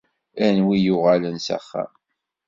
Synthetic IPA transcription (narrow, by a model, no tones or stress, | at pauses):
ænwijʊʁalənsæ̰χːæ̰m